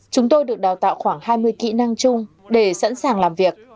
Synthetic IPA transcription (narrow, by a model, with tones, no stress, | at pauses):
t͡ɕʊ˨˦ŋ͡mt̪o˧jɗɨ˨˩ək̚ɗaː˨˩wt̪a̰ː˧˨wxwaː˧˩ŋhaː˧jmɨ˧əjkḭ˧˨na˧ŋt͡ɕʊ˧ŋ͡m | ɗe˧˩sa̰˧˥nsaː˨˩ŋlaː˨˩mvi˨˩ək̚